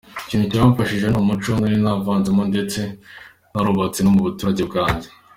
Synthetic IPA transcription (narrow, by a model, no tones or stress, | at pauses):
iciːnhuciɾaβaɱfaʃiʒe̞nomut͡ʃoŋɡaɾinaːvaːnzemonde̞t͡se̞ | naɾuβat͡sinomuβutuːɾaɟe̞b̚ɡaːɲɟe